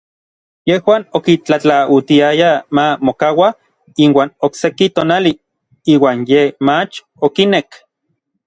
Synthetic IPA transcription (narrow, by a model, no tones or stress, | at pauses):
jehwaːnokit͡ɬat͡ɬaut̪iajamamokawa | inwaːnoksekit̪oːnali | iːwaːnjemat͡ʃ | okinek